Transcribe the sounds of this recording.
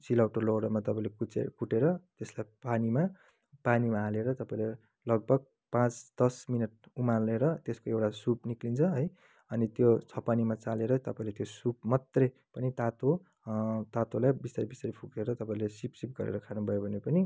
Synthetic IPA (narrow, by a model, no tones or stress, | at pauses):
silawʈoloɽʌmat̪ʌpãĩlekut͡sḛkuʈeɾʌt̪eslajpanima | panimaaleɾʌt̪ʌpaĩle | lʌɡ̚bʱʌɡ̚ | pãt͡sd̪̥ʌsminʌʈ̚umaleɾʌt̪eskoewʈasupniklint͡sʰʌɦʌj | ʌnit̪jot͡sʰʌpanimat͡saleɾʌt̪ʌpaĩlet̪josup̚mat̪rʌj | pʌnit̪at̪o | t̪at̪olajbist̪aɾibist̪ʌɾipʰukeɾʌt̪ʌpaĩlesipsip̚ɡʌɾḛɾʌkʰanubʱʌjobʱʌnepʌni